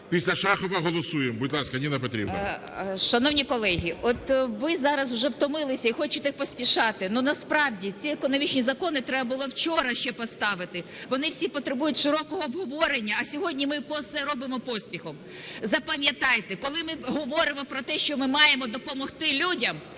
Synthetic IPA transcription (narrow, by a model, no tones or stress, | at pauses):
pʲisʲlʲɐʃɑxɔʋɐɦɔlˠɔsujembʊdʲlˠɑskɐnʲinɐpɔt̪ɾʲḭbnɐ̰ | ʃɐnɔwnʲikɔlˠɛɦʲiɔt̪ʋɪzɑɾɐzʊʒɛwt̪ɔmɪlˠɪsʲɐixɔt͡ʃɪt̪xpɔsʲpʲiʃɑt̪ɪnunɐspɾɑwdʲit͡sʲiekɔnɔmʲit͡ʃnʲizɐkɔnɪt̪ɾɛbɐbʊlˠɔwt͡ʃɔɾɐʃt͡ʃɛpɔst̪ɑʋɪt̪ɪʋɔnɪwsʲipɔt̪ɾebujʊtʲʃɪɾɔkɔɦɔːbɦɔʋɔɾenʲːɐɐsʲɔɦɔdʲnʲimɪpɔsɛɾɔbɪmɔpɔsʲpʲixɔm | zɐpɐmʲjɐt̪ɑjt̪ɛkɔlˠɪmɪɦɔʋɔɾɪmɔpɾɔt̪ɛʃt͡ʃɔmɪmɑjemɔd̪ɔpɔmɔxt̪ɪlʲudʲɐm